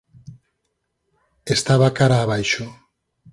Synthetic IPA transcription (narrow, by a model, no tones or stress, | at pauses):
est̪aβakaɾaːβajʃo